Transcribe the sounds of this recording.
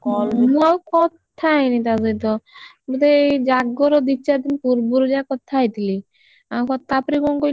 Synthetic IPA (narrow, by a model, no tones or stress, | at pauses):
kɔmũawkɔt̪t̪ʰːajnit̪azɔjt̪ɔ | but̪ed͡ʒaɡɔɾɔd̪it͡ʃad̪inpuɾbuɾd͡ʒakɔt̚t̪ʰːajt̪ili | awkɔt̪ːapɾikɔŋkoj